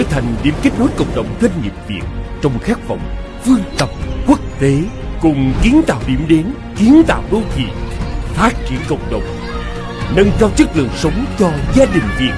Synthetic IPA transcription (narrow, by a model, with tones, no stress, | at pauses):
ə˧˦t̪ʰa˨˩jŋ̟ɗḭ˨˧˩əmki˦˥t̟̚no˨˦jkə̰˧˨wŋ͡mɗə̰˧˨wŋ͡mzwa˧jŋ̟ɲḭ˨˩əp̚vi˨˩ək̚t͡ɕwŋ͡mxaː˦˥k̚və̰˧˨wŋ͡m | fɨ˧əŋt̪ə˨˩p̚kwu˦˥k̚t̪e˨˦kʊ˨˩ŋ͡mki˨˦ənt̪a̰ː˧˨wɗḭ˧˩əmɗe˨˦n | ki˨˦ənt̪a̰ː˧˨wɗo˧t̪ʰḭ˨˩ənfaː˦˥t̚t͡ɕḭ˧˨ənkə̰˧˨wŋ͡mɗə̰˧˨wŋ͡m | nə˧nt͡ɕaː˧wt͡ɕɨ˦˥k̚lɨ̰˨əŋsə˨˦wŋ͡mt͡ɕɔ˧zaː˧ɗï˨˩ŋ̟vi˨˩ət̚